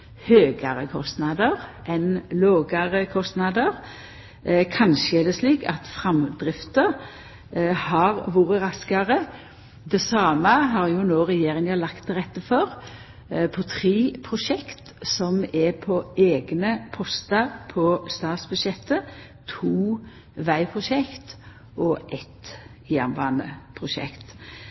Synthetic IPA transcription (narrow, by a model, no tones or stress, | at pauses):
høːɡɑʁəkʰɔst̪nɑd̪əʁʔɛnloːɡɑʁəkʰɔst̪nɑd̪əʁ | kʰɑnʃəɛd̪ɛsliːkɑ̰t̪fʁɑmd̪ɾɪft̪əɾ | hɑʁʋuːɾəʁɑskɑʁə | d̪ɛsɑːməɦɑɾjʊnoːʁɛjeːʁɪŋəlɑkt̪ʁɛt̪ːəfɔʁ | pʰɔt̪ʰʁeːpʰʁʊʂɛkt̪ | sɔmɛpʰɔeːɡnəpʰɔst̪ɑɾpʰɔst̪ɑːt̪sbʉʃjɛt̪ːə | t̪ʰuː | ʋæɪpʰʁʊʃɛkt̪ | ʔɔʔɛt̪ | jæ̰nʋɑ̰ːnə̰pʰʁʊʃɛ̰kt̪